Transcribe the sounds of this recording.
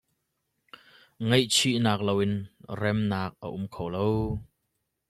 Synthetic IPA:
ŋejt͡sʰiʔnaːk̚lowɪnrɛmnaːk̚ə̰ʔʊmkʰowlow

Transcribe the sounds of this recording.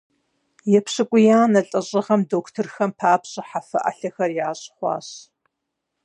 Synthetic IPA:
jɛpɕɨkʷʼʊjaːnɐɬʼɐɕʼɪʁɐmdoːktʰɨrxɐmpʰaːpɕʼɪħafɐ̰ʔɐ̰ɬɐxɐrjaːɕʼχʷɑ̰ːɕ

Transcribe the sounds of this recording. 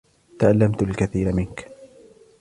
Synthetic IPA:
t̪aʔalːamt̪alkaθiːɾamɪnk

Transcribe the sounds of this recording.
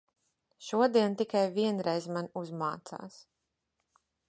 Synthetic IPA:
ʃuɔd̪iɛnt̪ikajviɛnɾɛjzmanuzmaːt̪sa̰ːs

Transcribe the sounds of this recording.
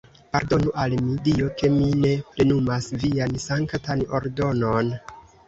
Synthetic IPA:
paɾdo̞nuʔalmidio̞ke̞mine̞pɾe̞numasviansaŋktano̞̰ɾdo̞no̞n

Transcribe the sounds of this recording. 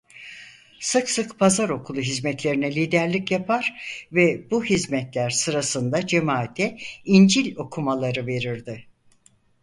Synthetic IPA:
sɯksɯkpʰazaɾo̞kʰulˠuɦizmɛt̪lʲe̞ɾinɛlʲiːd̪æɾlʲicjapʰaɾ̥vɛbuhizmɛt̪lʲæɾsɯɾasɯnd̪ad͡ʒe̞maːt̪ʰɛind͡ʒilʲo̞kʰumalˠaɾɯve̞ɾiɾd̪ɪ

